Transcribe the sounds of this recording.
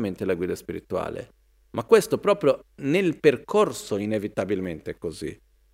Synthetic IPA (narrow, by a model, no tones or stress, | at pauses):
ment̪elaɡwiːd̪aspiɾḭt̪ua̰ːlḛ | mʔakːwɛst̪opɾɔːpɾjonelperkʰorsoinevit̪abilment̪ɛkːozḭ